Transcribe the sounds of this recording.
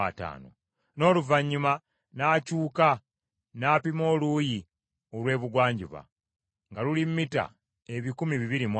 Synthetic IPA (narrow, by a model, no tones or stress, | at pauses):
a̰ta̰ːno̰ | no̞ːluvaɲːuma | naːcuːka | naːpimo̞ːluːji | olwe̞ːβuɡwaːɲɟuβa̰ | ŋɡalulimmːita̰ | eβikumiβiβiɾimw